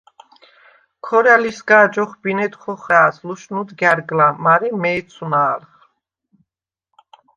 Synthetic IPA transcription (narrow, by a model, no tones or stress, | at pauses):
kʰɔɾalisɡaːd͡ʒɔχbinɛt̪χɔχɛːsluʃnud̪ɡaɾɡlamaɾimɛːt̪sʰunaːɾχ